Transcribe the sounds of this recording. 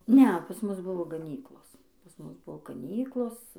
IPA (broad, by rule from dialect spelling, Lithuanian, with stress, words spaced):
ˈnʲɛ pɐs ˈmʊs ˈbʊʋoː ɡɐˈnʲiːklˠoːs pɐs ˈmʊs ˈbʊʋoː ɡɐˈnʲiːklˠoːs